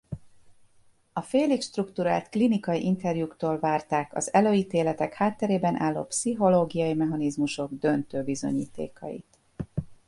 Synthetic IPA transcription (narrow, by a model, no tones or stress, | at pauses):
ɒfeːlikʃt̪rukt̪uɾa̰ːlt̪klinikɒjiʔint̪ɛrjukt̪oːlvaːrt̪aːkɒ̰zɛløːjiːt̪eːlɛt̪ɛkhaːt̪ːɛɾeːbɛnʔaːlːo̰psiɦo̞loːɡijɒjimɛɦɒnizmuʃo̞ɡd̪ø̞nt̪øːbizo̞̰ɲḭːt̪ḛːkɒ̰jḭt̪